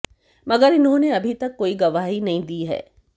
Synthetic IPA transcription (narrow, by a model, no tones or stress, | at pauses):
mɐɡəɾɪnɦõneɐbʱit̪ɐkːoːiɡɐʋaːɦinɐɦĩd̪iːɦɛ̰ː